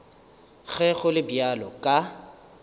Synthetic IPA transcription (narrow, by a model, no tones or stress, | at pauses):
k͡xɛɣʊlɪbjalɔ̰kʼa